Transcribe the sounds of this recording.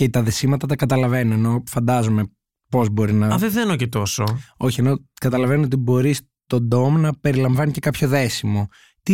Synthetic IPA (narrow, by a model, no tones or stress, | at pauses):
cet̪ɐðe̞simɐt̪ɐt̪ɐkɐt̪ɐlɐve̞nueno̞fɐnd̪ɐzome̞ | po̞zbo̞ɾinɐɐðeθenocet̪o̞soo̞çie̞no̞kɐt̪ɐlɐve̞nuo̞t̪ibo̞ɾis | t̪o̞d̪o̞mnɐpe̞ɾilɐɱvɐnice̞kɐpço̞ðe̞simo̞ | t̪i